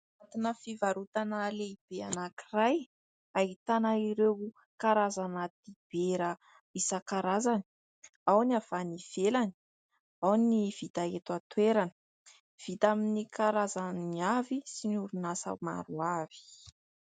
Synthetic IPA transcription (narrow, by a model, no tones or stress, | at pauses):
nat̪inəfivaɾut̪anəleib̥eanakiraj | ait̪anaiɾew | kaɾazanəd̪ib̥eɾə | isəkaɾazani̥ | awniav̥aniv̥elani̥ | awniv̥it̪aet̪at̪weɾanə̥ | v̥it̪aminikaɾazanniavisinuɾunasa̰wma̰ɾuav̥i̥